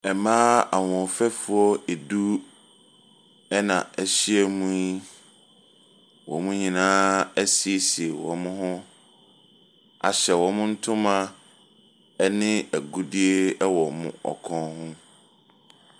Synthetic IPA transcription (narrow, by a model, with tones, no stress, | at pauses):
ɛ˨mãː˦a˨wɔ̃˨fɛ˦fu˨ɔ˦e˨du˦ | ɛ˦nã˨ɛ˨ɕi˦ɛ˨mũ˦i˦ | wɔ̰̃˨mʊ̃˦ɲĩ˨nãː˦ɛ˦si˨e˨si˨e˨wɔ̰̃˨mʊ̃˦ɦʊ̃˦ | a̰˨ɕɛ˨wɔ̃˨˦mʊ̃˦n̩˦tʰʊ̃˦mã˦ | ɛ˦nɪ̃˦æ˨ɡu˦di˦e˦ɛ˦wɔ˨mʊ̰̃˦ɔ̰˨kʰɔ̃˦hʊ̃˦